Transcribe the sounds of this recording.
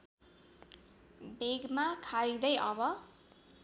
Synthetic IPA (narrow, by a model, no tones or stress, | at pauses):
beɡmakʰaɾid̪ʌjʔʌbʌ